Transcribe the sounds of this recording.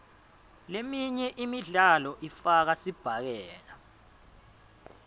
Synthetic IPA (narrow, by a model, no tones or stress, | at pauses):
lemiɲɛʔimiɮalɔʔifak̬asib̥ʱak̬ɛːla